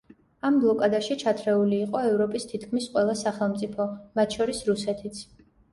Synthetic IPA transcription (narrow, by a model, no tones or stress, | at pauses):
amblˠɔkʼad̪aʃit͡ʃʰat̪ʰɾɛuliːqʼɔɛvɾɔpʼist̪ʰit̪ʰkʰmisqʼwɛlˠasaχɛlˠmt̪sʼipʰɔmat̪ʰʃɔɾisɾusɛt̪ʰit̪sʰ